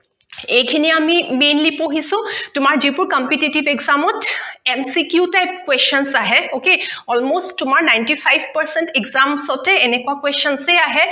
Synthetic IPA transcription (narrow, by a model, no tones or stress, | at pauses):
ejkʰiniamimenlipoɦisʊ̃tʊmaɹzipʊɹkɔmpititibɛɡzamɔtemsikjutajp̚kwestɔnsaɦɛokeɔlmostːʊmaɹnajntipʰajbʱpəɹsɛntɛɡzamsɔtɛːnɛkuakwestɔnseaɦɛ